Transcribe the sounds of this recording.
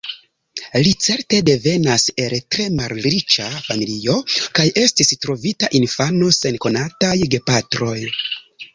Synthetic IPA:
lit͡se̞ɾte̞de̞ve̞nase̞ltɾe̞malɾit͡ʃafamilio̞kaje̞stistɾo̞vitaʔinfano̞se̞nko̞natajɡe̞patɾo̞j

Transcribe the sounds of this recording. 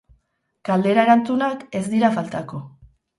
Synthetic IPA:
kald̪e̞ɾae̞ɾant͡sunake̞zd̪iɾafalt̪ako̞

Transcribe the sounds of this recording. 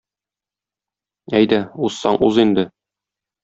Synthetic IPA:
æjd̪æusːɑɴʔuzind̪ɘ

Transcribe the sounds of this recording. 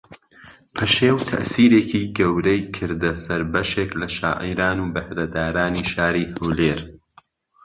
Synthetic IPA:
pʰɐʃeːwt̪ʰɐ̰ʔsiːɾeːkʰiːɡɐwɾɛjkʰɨɾd̪ɐsɐɾbɐʃeːklɐʃa̰ːʔḭjɾaːnuːbɐhɾɐd̪aːɾaːniːʃaːɾiːhɐwleːɾ

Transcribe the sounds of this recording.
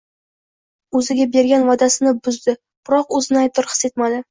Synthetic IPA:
ɵzɪɡʲabe̞ɾɡʲanvɒd̪asɪnɪbʊzd̪ɪ | b̥ɾɒqɵzɪnɪajt̪ʰːɪɾqʰɨ̥se̞t̪̚mad̪ɪ

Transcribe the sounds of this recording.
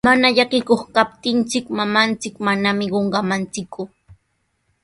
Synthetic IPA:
manaʎakɪkoχkap̚t̪ɪnt͡sɪkmamant͡sɪkmanamɪɢoɴɢɑmant͡sɪkʰʊ

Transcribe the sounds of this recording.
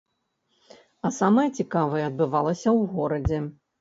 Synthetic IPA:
ɐsamɐjɐt͡sʲikavɐjɛɐd̪̚bɨvalˠɐsʲɐwɣɔɾɐd͡zʲɛ

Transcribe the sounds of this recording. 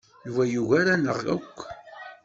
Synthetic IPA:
nvæjuʝaɾanəʁækʷː

